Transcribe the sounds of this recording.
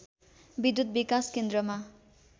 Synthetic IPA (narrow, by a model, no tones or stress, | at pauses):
bid̪ud̪̚bikaskend̪ɾʌma